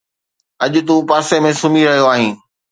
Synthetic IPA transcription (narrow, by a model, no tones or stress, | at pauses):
ɐʄʊ̆t̪ũpaːsemẽsʊmiɾɐɦijoaːɦĩː